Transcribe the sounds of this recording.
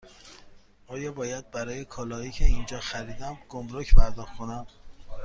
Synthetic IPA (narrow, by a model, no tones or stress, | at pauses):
ʔɒːjɒːbɒːjæd̪̚bæɾɒːjekʰɒːlɒːiːcʰeind͡ʒɒːxæɾiːd̪æmɡ̥omɾocʰpʰæɾd̪ɒːxkʰonæm